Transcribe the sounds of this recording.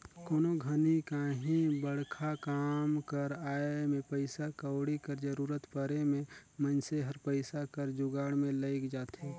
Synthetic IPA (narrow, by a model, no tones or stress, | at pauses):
koːnoɡʱənikaɦĩbəɽ̤kʰakaːmkəɾaːemẽpəɪsakəʊɽikəɾd͡ʒəɾuːɾət̪pəɾemẽmənseɦəɾpəɪsakəɾd͡ʒʊɡaːɽmẽləɪkd͡ʒaːt̪ʰeː